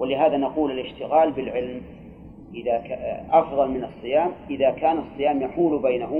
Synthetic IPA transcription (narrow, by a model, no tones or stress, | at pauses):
wɪlɪɦaːðanaquːlɪlɪʃt̪ɪɣaːlbɪlʕɪlm | ʔɪðakʔɑfðˤɑlmɪnɑsˤːɨjaːmʔɪðakaːnɑsˤːɨjaːmjaħuːlbajnaɦʊ